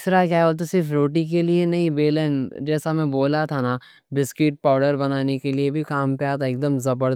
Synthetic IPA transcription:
sɾakjaːɛoːlt̪̬osɪɾfɾoːʈik̬elienɐɦĩbeːlend͡ʒɛːsamɛ̃boːlat̪ʰana | bɪskɪʈ̚paːɖəɾbɐnaːnekeliebʱikaːmpeat̪ʰaeːk̚d̪əmzɐbəɾ

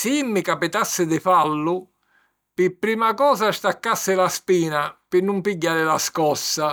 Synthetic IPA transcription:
simːɪkapit̪asːɪd̪ɪfalːʊ | pɪpːɾiːmakɔːsaʃt̪akːasːɪlaspiːnapɪnːumpiɟːaːɾɪlaskɔsːa

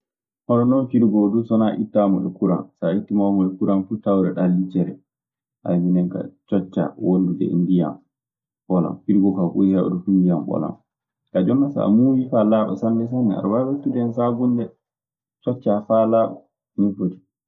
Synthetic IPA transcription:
ʔɔnɔnɔnfiɾɡɔdusɔnaʔitːamɔɗɛkuɾa̰nsaitːimamɔɗɛkuɾanfutawɾɛɗalːit͡ʃɛɾɛ | ʔa̰binɛŋka̰t͡ʃɔt͡ʃːa̰wondudɛ̰ḭndija̰m | ɓɔla̰mfiɾɡɔkabṵihɛɔ̰dufuindijamɓɔ̰la̰m | kad͡ʒɔnːasa̰muwifalaɓɔ̰sanːɛs̬anːɛa̰ɾwawetːudɛnsaɡundɛ | t͡ʃɔt͡ʃːafalaɓa | nifoti̥

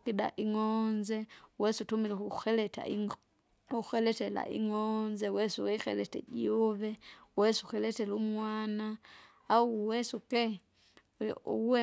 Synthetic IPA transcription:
kida̰ʔiŋɔnzɛwɛsutumilɛkuxɛlɛta̰i | uxɛlɛtɛla̰ʔḭŋɔnzɛwɛsuwɛixɛlɛtɛ̰ɟiuvɛwɛsuxɛlɛtɛlumwanaː | uwɛsukɛ̰ | wɛ

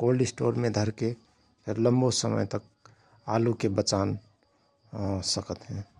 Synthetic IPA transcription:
kolisʈo̰ɾmẽd̪ʱəɾke | pʰɪɾləmbosəmə̰jt̪ək̚ | a̰lukebət͡ʃan | səkət̪ɦɛ̃

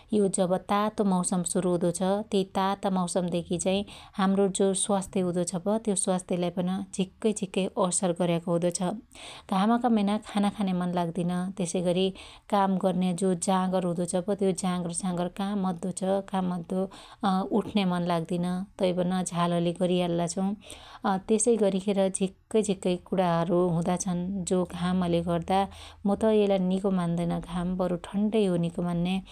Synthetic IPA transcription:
jod͡zʌbʌt̪at̪omʌwsʌmsuɾuɦũd̪ot͡sʰʌt̪it̪at̪ʌmʌwsʌmd̪ekʰit͡saĩhamrod͡zoswast̪jeɦũd̪ot͡sʰʌbʌt̪joswast̪ʰjelajpʌnʌd͡zʱikːʌjd͡zʱikːʌjʔʌsʌrɡʌɾjakoɦũd̪ot͡sʰʌɡ̥ʱamakamenakʰanakʰanemʌnlaɡd̪inʌt̪esʌjɡʌɾi | kamɡʌrned͡zod͡zãɡʌɾɦũd̪ot͡sʰʌbʌt̪jod͡zãɡʌrd͡zãɡʌrkamːʌd̪ːot͡sʰʌkamːʌd̪ʱːo | uʈʰnemʌnlaɡd̪inʌt̪ʌjbʌnʌd͡zʱalʌleɡʌɾialːat͡sʰʌw̃t̪esʌjɡʌɾikʰeɾʌd͡zʱikːʌjd͡zʱikːʌjkuɽaɦʌɾuɦũd̪at͡sʰʌnd͡zoɡʱamʌleɡʌrd̪amʌt̪ʌelanikomand̪ʌjnʌɡʱambʌɾuʈʰʌɳɖʌjɦonikomanːe

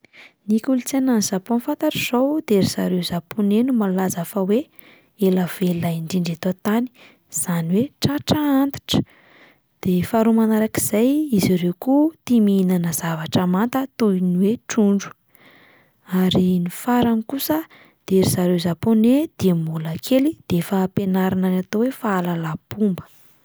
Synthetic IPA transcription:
nikʲulit͡sananizaponfant̪aʈ͡ʂiz̥owd̪̥eɾiz̥a̰ɾewzaponenumalulazafawe | elav̥elaiɳɖ͡ʐiɳɖ͡ʐat̪ot̪ani̥ | z̥aniweʈ͡ʂaʈ͡ʂaant̪i̥ʈ͡ʂə̥ | d̪̥efaɾumanaɾakiz̥ajiziɾewkut̪imiinanəzavaʈ͡ʂamant̪ət̪uiniweʈ͡ʂuɳɖ͡ʐu̥ | aɾinifaɾanikusə | d̪̥eeɾizaɾewzaponed̪̥eambulakʰelid̪̥eefapenaɾananat̪owefaːlalab̥umbə̥

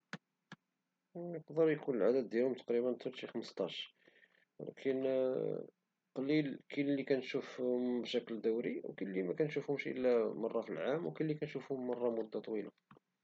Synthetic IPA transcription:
jəqd̪əɾˤikunəlʕad̪əd̪̚ːjælhʊmt̪ɑ̥qɾibənt̪wəɾt̪ixəməst̪ˤɑʃ | wæ̰læ̰kʰən | qɑlilkʰillːikænʃufmbʃækld̪ʊwɾḭwkilːimækænʃufhʊmʃʔə̰lːæmɑrˤːɑfilʕamwkilːikænʃufhʊmːɑrˤːɑmʊd̪ːat̪ˤwila̰

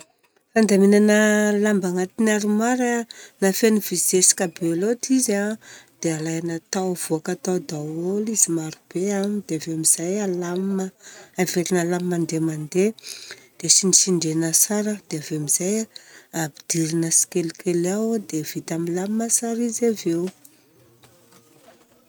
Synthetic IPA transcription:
fand̪aminanəlambaŋat̪inaɾumaɾanafenivisesi̥kabelot̪izad̪̥ealajanat̪awv̥uakat̪awd̪awolizimaɾub̥eamid̪̥eaveamiz̥ajalaməaveɾinalammand̪emand̪ed̪̥esiniʃiɳɖ͡ʐenasaɾəd̪̥eaveamizajabid̪̥iɾinəsi̥kelkʰelawd̪ev̥it̪amilammasaɾizavew

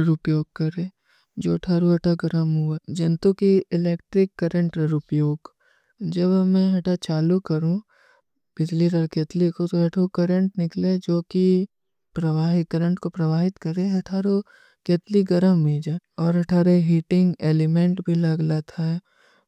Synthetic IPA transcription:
ɾʊpjoːɡ̚kɐɾẽ | d͡ʒoːɐʈʰaːɾuɐʈʰaɡɐɾəmɦʊad͡ʒɐ̃nt̪ukiɪleːk̚ʈɾɪkːɐɾə̃ɳʈɾʊpjoːɡ | d͡ʒɐbmɛ̃ɦɐʈʰat͡ʃaːlukɐɾũ | b̥ɪd͡ʒliɾəɾkeːt̪likot̪oɦɐʈʰukɐɾə̃ɳʈnɪkled͡ʒoːki | pɾɐʋaːɦɪkɐɾə̃ɳʈkopɾɐʋaːɦɪt̪kɐɾẽɦɐʈʰaːɾo | keːt̪liɡɐɾəmːid͡ʒaːɔːɾɐʈʰaːɾeɦiːʈɪ̃ŋɡeːlɪmẽɳʈbʱilɐɡlat̪ʰaɛ

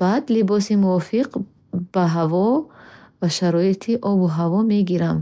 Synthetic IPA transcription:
b̥ad̪libɔsimuɔfiq | b̥aɦavɔ | vaʃaɾɔit̪ʰiʔɔbuɦavɔme̞ɡiɾam

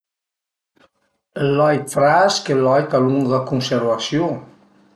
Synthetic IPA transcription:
lɔjfɾaskelɔjk̪aluŋðəkunsəɾβasjo

